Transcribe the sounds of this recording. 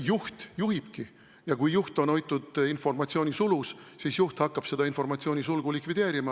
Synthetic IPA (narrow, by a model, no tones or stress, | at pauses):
juht̪juɦib̥ki | jɑkujːuht̪o̞no̞jt̪ˑːud̪̥info̞rmɑt̪sio̞ːnʲisulussisjuht̪hɑkːˑɑb̥se̞d̪̥ɑinfo̞rmɑt̪sio̞ːnʲisulɡ̥ulikvid̪̥e̞ːɾimɑ